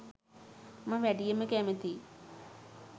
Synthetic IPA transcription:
mãːʋɛːɖijəmẽkɛːmẽt̪ʰiː

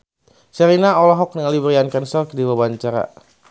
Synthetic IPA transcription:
sɛɾinaɔlaɦɔk̚niŋalibɾiankansɔrkdiwabaɲt͡ʃaɾa̰

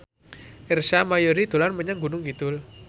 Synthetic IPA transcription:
ʔɪrsamajoɾid̪̥o̤lanməɲaŋɡṳnʊŋɡit̪ʊl

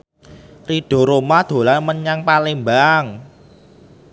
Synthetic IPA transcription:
riɖ̥ɔ̤ɾomad̪̥o̤lanməɲaŋpalɪmbaŋ

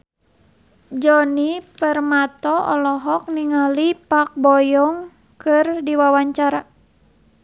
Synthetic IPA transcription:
d͡ʒɔnipərmat̪ɔɔ̰lɔɦɔk̚niŋalipak̚bɔjɔŋ | kɨrdiwawaɲt͡ʃaɾa

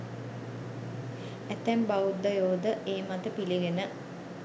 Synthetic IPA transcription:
æt̪ːæmbaud̪ːəjoːd̪əʔeːmat̪əpiliɡenə

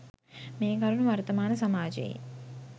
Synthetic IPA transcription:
meːkɐɾuɳuʋɐɾt̪ɐmaːnɐsamaːd͡ʒḛjḛ

